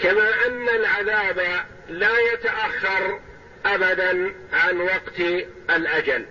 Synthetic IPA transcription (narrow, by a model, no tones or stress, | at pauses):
kamaːʔanːalʕaðaːba | laːjat̪aʔaxːɑɾˤ | ʔabad̪anʕanwɑqt̪ | ʔalʔad͡ʒal